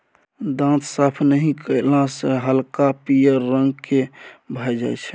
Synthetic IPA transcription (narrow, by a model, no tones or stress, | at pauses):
d̪ãt̪ʰsəpʰnəɦĩkəɪlãsəɦəlkapijəɾːəŋɡkebʱəjd͡ʒa̰jt͡ʃʰɛ̥